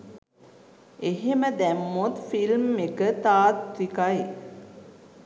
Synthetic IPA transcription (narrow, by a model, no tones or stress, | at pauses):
eɦeməd̪æmːut̪filmːekət̪aːt̪ɾikaj